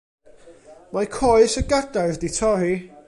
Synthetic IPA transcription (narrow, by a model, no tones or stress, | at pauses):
majkʰɔjsəɡadajðditʰɔɾi